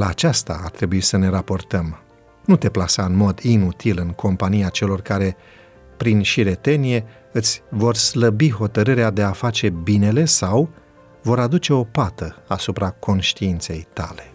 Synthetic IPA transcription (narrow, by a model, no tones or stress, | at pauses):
laːt͡ʃast̪aːrt̪ɾe̞buisəne̞ɾapo̞rt̪əm | nut̪e̞plasaɨnmo̞d̪inut̪ʰilɨŋkʰo̞mpanijat͡ʃe̞lo̞rkaɾe̞ | pɾinʃiɾe̞t̪e̞nije̞ | ɨt̪sʲvo̞rsləbiɦo̞t̪əɾɨɾead̪e̞afat͡ʃe̞bine̞le̞saw | vo̞ɾad̪ut͡ʃe̞o̞pat̪əasupɾako̞nʃt̪iint̪se̞jt̪ale̞̥